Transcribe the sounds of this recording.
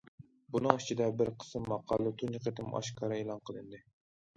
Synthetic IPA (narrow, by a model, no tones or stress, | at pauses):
bunɨŋit͡ʃʰid̪ɛbɪɾqʰə̥sɨmːɑqʰɑlˠːɨt̪ʰuniqet̪ɨm̰ʔɑ̰ʃkʰɑɾɨelˠɑnqʰəlˠɨnd̪ɨ